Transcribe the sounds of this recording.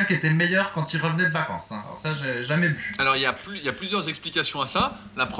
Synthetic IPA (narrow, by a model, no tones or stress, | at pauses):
mkʲet̪ɛləmɛjœʁkɑ̃t̪ilʁəvənɛd̪əvakɑ̰̃sɛ̰̃a̰lɔ̰ʁsaʒeʒamɛvyalɔʁiljaplyiljaplyzjœʁzɛksplikʲasjɔ̃asa | lapχ